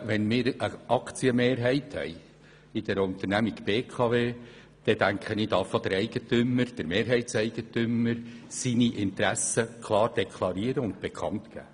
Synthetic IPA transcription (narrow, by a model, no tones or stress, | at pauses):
ʋɛnmɪːɾəʔɑkt͡siəmeːɾɦɛɪthɛ̰j | ɪd̥̪ɛɾʊnt̪əɾnæmiɡb̥eːkʰɑveː | d̪̥ɛd̥̪æŋkχəniːd̪ɑfɑd̥əɾɛɪɡ̥ət̪ʏməɾd̥əɾmeːɾɦɛɪtsɛɪɡ̥ətʏməɾsiniʔɪnt̪ɾæsəkʰlˠɑːrd̥ɛkʰlˠɑɾiːəɾəʊnd̪b̥ekʰɑ̰ntɡ̥æ̰ː